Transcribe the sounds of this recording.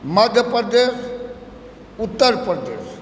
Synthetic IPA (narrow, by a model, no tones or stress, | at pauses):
maɡʱjəpɾəd̪eːʂ | ut̪ːəɾpɾəd̪eːʂ